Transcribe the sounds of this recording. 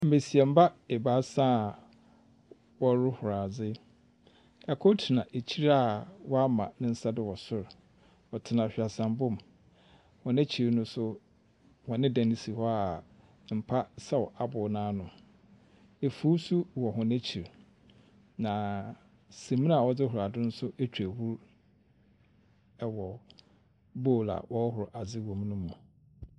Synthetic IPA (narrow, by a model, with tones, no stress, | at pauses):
m̩˨be˨si˨ɛ˨m̩˦ba˦e˨baː˨˦sã˦˨ | wɔ˦ɾʊ˦hʊ˨ɾaː˨d͡zɪ˦ | ɛ˨kʰɔ˦tʰi˨nã˨ʔe˨t͡ɕʰi˦ɾa˦˨wɔ˦a˦mã̰˨nɪ̃˦n̩˦sa˦dɪ˦wɔ˨sʊ˦ɾ | ɔ˨tʰɪ˨nã˨ɕᶣa˨sã˨mbʊ̃˦m | hɔ̃˨næ̃˦t͡ɕʰi˨ɾnʊ̃˦sʊ˦ | wɔ̃˨nɪ̃˦dã˨nɪ̃˦si˨hɔ˦a˨ | m̩˨pʰa˦sa˦wɔ˨ʔa˨bʊ˨nãː˦nʊ̃˨m | e˨fu˦su˦wɔ˨ɦɔ̃˨næ˦t͡ɕʰi˨ɾ | nã˨ | sẽ˨mĩ˦nã˦a˨wɔ˨d͡zɪ˦ɦʊ˨ɾa˨dɪ˦nʊ̃˦sʊ˦ʔe˦t͡ɕʰᶣæ˨hu˦ɾ | ɛ˨wɔ˨ | bo˦˨la̰˨wɔ˦hʊ˨ɾʊ˨ʔa˨d͡zɪ˦wɔ̃˨m˦nʊ̃˦mːũ˨